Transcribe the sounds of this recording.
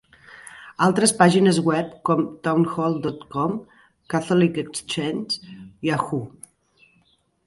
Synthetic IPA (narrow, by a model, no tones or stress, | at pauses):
alˠt̪ɾəspaʒinəzɣwɛp̚kɔmt̪awnxɔlˠd̪ɔt̪kɔm | kat̪ɔlikekst͡ʃensiaxu